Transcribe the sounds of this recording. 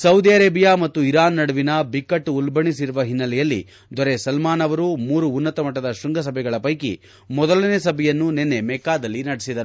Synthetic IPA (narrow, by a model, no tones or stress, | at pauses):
sɐwd̪iɐɾeːbijaːmɐt̪ːuiɾaːnːɐɽuʋinɐbikːɐʈːulbɐɳisiɾuʋɐɦinːɐlɛjɐlːḭ | d̪ɔɾesɐlmaːnɐʋɐɾumuːɾuːnːɐt̪ɐmɐʈːɐd̪ɐʃuŋɡɐs̬ɐbʱɛɡɐɭɐpɐjkḭ | mɔd̪ɐlɐnesɐbʱɛjɐnːunenːe̞mɛkaːd̪ɐlːinɐɽisid̪ɐɾu